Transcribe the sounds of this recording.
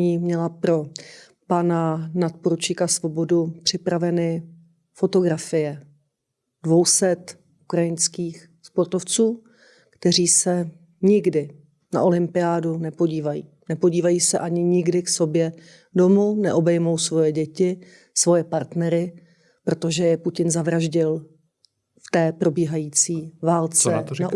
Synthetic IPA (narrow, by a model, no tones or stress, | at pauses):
ɲiːmɲɛlapɾo̞ | pananat̪̚poɾut͡ʃikasvo̞bo̞dupr̝̥ɪpɾavɛnɪ | fo̞t̪o̞ɡɾafɪjɛ | d̥vo̞wsɛt̪ | ʔukɾajɪnskiːx | spo̞ɾt̪o̞ft͡suː | kt̪ɛr̝iːsɛ | ɲɪɡdɪ | na̰ʔo̞lɪmpɪaːdunɛpo̞ɟiːvajḭːnɛpoɟiːvajiːsɛʔaɲɪɲɪɡdɪkso̞bjɛ | do̞munɛʔo̞bɛjmo̞wsvo̞jɛɟɛcɪ | svo̞jɛpaɾt̪nɛɾɪ | pɾo̞t̪o̞ʒɛjɛpucɪnzavɾaʒɟɪl | ft̪ɛːpɾo̞biːɦajiːt͡siːvaːlt͡sɛna